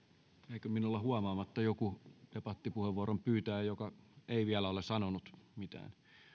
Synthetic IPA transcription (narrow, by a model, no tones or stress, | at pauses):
eikøminulːɑhuɑmɑːmɑt̪ːɑjokuepɑt̪ːipuheʋʋuɑɾompyːt̪æːjokɑeiʋiælæolesɑnonut̪mit̪æ̰ːn